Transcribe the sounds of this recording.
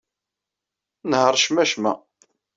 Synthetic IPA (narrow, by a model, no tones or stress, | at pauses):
nhəɾˤʃmæʃmæ̰